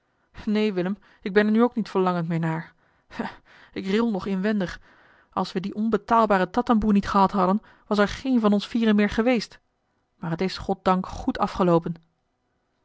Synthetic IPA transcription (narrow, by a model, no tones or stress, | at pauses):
nejʋɪləm | ɪɡ̚bɛnɛɹnyowknitfəɹlɑŋəntmɪːɹnaːɹ | a | ɪkrɪlˠnɔχɪnʋɛndəχ | ɑ̰lˠsʋədiʔɔnbətaːlˠbaːɾətɑtənbunitχəɦɑtɦɑdən | ʋɑsɛɹχejnvɑnɔnsfiːrəmɪːɹχəʋejst | maːɹɦətɪsχɔt̚dɑŋkχutʰɑ̰fχəlowpən